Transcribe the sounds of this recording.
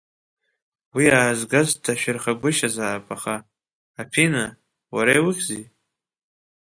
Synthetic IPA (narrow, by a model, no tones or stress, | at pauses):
wiaːzɡazdʰaʃᶣɪrχaɡʷʊʃazaːpʼaχaː | pʰina | waɾajwɨχʲzi